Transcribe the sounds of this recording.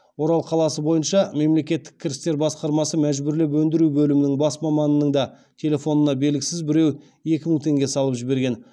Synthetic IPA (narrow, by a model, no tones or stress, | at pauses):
wo̞ɾɑlˠqʰɑlˠɑsəbo̞jənʃɑme̞mle̞kʲe̞t̪ːɪ̥kʲʰːɪɾɪst̪e̞ɾbɑsqɑɾmɑsəmæʒbɪɾlɪp̬wɵnd̪ɪɾubɵlɪmɪnɪŋbɑsmɑmɑnənəɴd̪ɑ | t̪ʲʰe̞le̞fo̞nənɑbe̞lɡʲɪsɪzbɪɾe̞w | e̞kʲɪməŋt̪ʰe̞ŋɡʲe̞sɑlˠəpʒɪbe̞ɾɡʲe̞n